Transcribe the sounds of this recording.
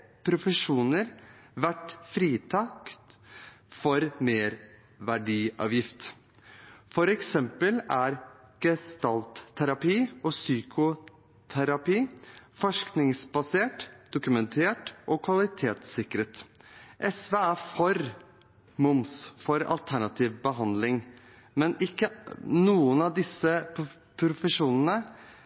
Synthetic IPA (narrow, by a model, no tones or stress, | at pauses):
pʰɾʊfəʂuːnəɾʋæʈfɾiːt̪ʰɑkt̪fɔɾmeːɾ | ʋæɖiːɑ̰ːʋjɪft̪ | fɔɾɛksɛmpəlæɾɡ̥əst̪ɑlt̪ʰːæɾɑpiːɔsyːkʰʊ | t̪ʰæɾɑpiːfɔʂknɪŋsbɑseːʈd̪̥ʊkʉmɛnt̪ʰeːʈʔɔkʰʋɑlɪt̪ʰeːt̪sɪkɾət̪ʔɛsʋeːæɾfɔɾ | mʊmsfɔɾɑ̰lt̪ʰæɳɑt̪ʰiːʋbəɦɑnd̪lɪŋ | mɛnɪkːənuːənɑʋd̪ɪsːə | pʰɾʊfəʂuːnənə